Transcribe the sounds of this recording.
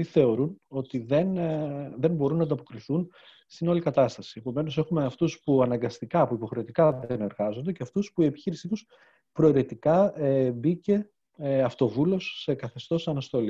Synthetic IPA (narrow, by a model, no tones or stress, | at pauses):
iθe̞o̞ɾuno̞t̪iðenðe̞mbo̞ɾunːɐnd̪ɐpo̞kɾiθun | st̪ino̞likɐt̪ɐst̪ɐsie̞po̞me̞no̞se̞xume̞ɐft̪uspuɐnɐŋɡɐst̪ikɐpuipo̞xɾe̞t̪ikɐðe̞ne̞ɾɣɐzo̞nd̪e̞ceɐft̪uspuie̞pi̥çiɾisit̪us | pɾo̞iɾe̞t̪ikɐebice̞ | ɐft̪o̞vulo̞sːe̞kɐθe̞st̪o̞sɐnɐst̪o̞li